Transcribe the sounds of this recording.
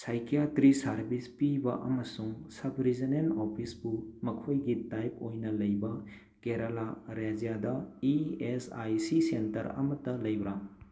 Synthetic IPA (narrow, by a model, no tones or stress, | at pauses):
sajkijatɾisɐɾbispibɐʔɐmɐsuŋsɐbʱɾizinenopʰisbumɐkʰojɡitajp̚ojnɐlɐjbɐ | keɾɐlaɾad͡ʒijadɐiesajsisentɐɾɐ̰mɐtːɐlɐjbɾa